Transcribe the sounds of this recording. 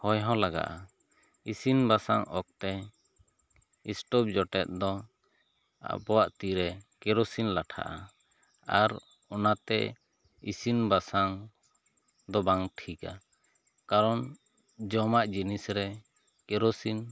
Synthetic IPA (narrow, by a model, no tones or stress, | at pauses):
hɔjɦɔ̃laɡa̰ʔa | isinbasaŋɔk̚t̪ɛ | isʈɔp̚d͡ʒɔʈɛt̪̚ˀd̪ɔ | a̰pɔwaʔt̪iɾɛkɛɾɔsinlaʈʰa̰ʔa | aɾ | ɔnat̪ɛ̰ | isinbasaŋ | d̪ɔbaŋʈʰika | kaɾɔn | d͡ʒɔmaʔd͡ʒinisɾɛ | kɛɾosin